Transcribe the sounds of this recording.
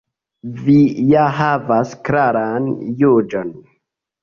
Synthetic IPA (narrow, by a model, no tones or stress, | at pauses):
vijaɦavaskɾaɾanjud͡ʒon